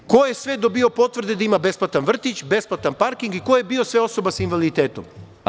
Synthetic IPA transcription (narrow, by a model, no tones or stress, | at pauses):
ko̞jesʋe̞d̪obio̞po̞t̪ʋr̩d̪ed̪aimabe̞splˠat̪anʋr̩t̪it͡ɕbe̞splˠat̪anpaɾkiŋɡikojebio̞sʋe̞o̞so̞basinʋalit̪eːt̪om